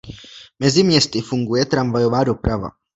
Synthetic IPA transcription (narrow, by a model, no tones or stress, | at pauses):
mɛzɪmɲɛst̪ɪfuŋɡujɛt̪ɾamvajovaːdopɾava̰